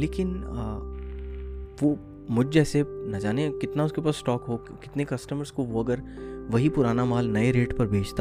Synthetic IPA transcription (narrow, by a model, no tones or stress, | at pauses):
leːkɪn | ʋoː | mʊd͡ʒʱd͡ʒɛːsenɐd͡ʒaːnekɪt̪naʊskepaːsːʈɔːkɦo | kɪt̪nekɐsʈəməɾskoʋoɐɡəɾ | ʋɐɦipʊɾaːnamaːlnɐeɾeːʈpɐɾbʱeːd͡ʒt̪a